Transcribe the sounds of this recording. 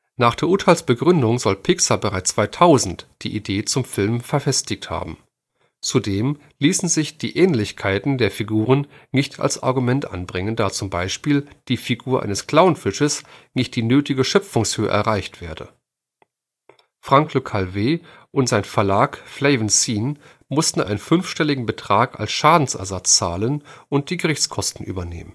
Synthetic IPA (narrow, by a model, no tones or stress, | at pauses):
naːχd̥eːɐʔʊɐtʰaɪlsb̥əɡʁʏndʊŋzɔlpʰɪksabəʁaɪt͡st͡sv̥aɪtʰaʊzn̩td̥ḭːʔideːt͡sʊmfɪlmfɛɐfɛstɪçtha̰ːbm̩ | t͡sudeːm | liːsn̩zɪçd̥iːʔɛːnlɪçkʰaɪtn̩deːɐfiɡuːʁ̞ənnɪçtʰa̰lsʔa̰ɐɡumɛntʔa̰nbʁɪŋəndaːt͡sʊmbaɪʃpiːld̥iːfiɡuːɐʔa̰ɪnəskl̥aʊnfɪʃəsnɪçt̚d̥iːnøːtɪɡəʃœp͡fʊŋshøːə̰ʔɛ̰ɐʁaɪçtv̥eːɐdə̰ | fʁ̥aŋklokʰaːlveː | ʔʊntz̥aɪnfɛɐlaːkflɛɪvnsiːn | mʊstn̩ʔaɪnənfʏnfʃtɛlɪɡŋ̩bətʁ̥aːka̰lsʃaːdn̩sʔɛ̰ɐzat͡st͡saːlənʔʊnt̚d̥iːɡəʁɪçt͡skʰɔstn̩ʔy̰ːbɐnḛːmən